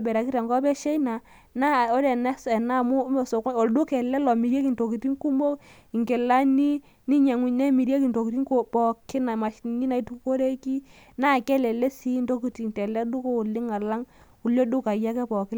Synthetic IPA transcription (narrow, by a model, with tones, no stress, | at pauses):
bɛ˨ɾa˨ki˦ta˨ŋɡɔ˦pɛ˦ʃe˦na˨ | na˦˨o˦ɾɛ˨na˦sɛ˨na˦˨mu˦mɛ˨so˨ko˨ldu˦kɛ˨lɛ˦lɔ˨mi˨ɾje˦ki˨nto˨ki˨ti˦ŋku˦mo˦ | i˨ŋkɛ˨la˦ni˦ | ni˦ɲa˨ŋu˨nɛ˦mi˨ɾe˦ki˨nto˨ki˨ti˦ŋko˦pɔ˨kɪ˦na˨ma˨ʃni˦na˨i˦tu˦ko˦ɾe˦ki˦ | na˦˨kɛ˦lɛ˨lɛ˦si˦nto˦ki˨ti˨ntɛ˨lɛ˦du˦ko˦u˨lɪ˦ŋa˨la˦ŋ | u˨ljo˦du˦ka˨ja˦kɛ˦pɔ˨kɪ˦l